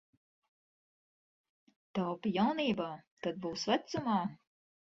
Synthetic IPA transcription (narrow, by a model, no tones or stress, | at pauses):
t̪awpijawniːbaːt̪ad̪̚buːsvæt̪sumaː